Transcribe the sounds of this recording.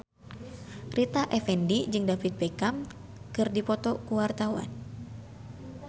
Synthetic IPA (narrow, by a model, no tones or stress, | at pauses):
rʔit̪aʔɛfɛndid͡ʒɨŋdafit̪̚bɛkam | kɨrdipɔt̪ɔkuwart̪awa̰n